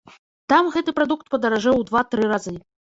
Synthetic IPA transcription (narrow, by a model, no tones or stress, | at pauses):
t̪amɣɛt̪ɨpɾad̪ukt̪̚pɐd̪ɐɾaʐɛwd̪vat̪ɾɨɾazɨ